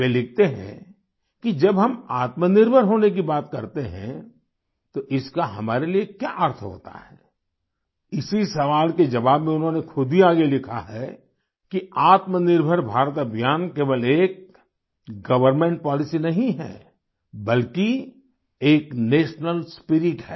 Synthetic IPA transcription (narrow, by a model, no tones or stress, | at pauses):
elɪk̚ʰt̪eɦɛ̰̃ | kid͡ʒɐbɦɐmaːt̪mənɪɾbʱəɾɦoːnek̬ibaːt̪kɐɾt̪eɦɛ̰̃ | t̪oʔɪskaɦɐmaːɾeliekja̰ʔəɾt̪ʰɦo̰ːt̪a̰ɦɛː | ɪsisɐʋaːlked͡ʒɐʋaːbmẽʊnɦõnexʰʊd̪ʱiaːɡelɪkʰa̰ɦɛ̰ | kiaːt̪mənɪɾbʱəɾbʱaːɾət̪ɐbʱjaːnkeːʋəleːk̚ | ɡɐʋəɾmẽɳʈ̚pɔːlɪsinɐɦĩɦɛ̰ː | bɐlki | eːkneːʃnəlspɪɾɪʈɦɛ̰ː